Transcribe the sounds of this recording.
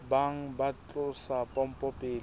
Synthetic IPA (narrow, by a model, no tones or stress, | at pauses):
baŋ̩bat͡ɬʼʊsapʼɔm̩pʼɔpʼeːl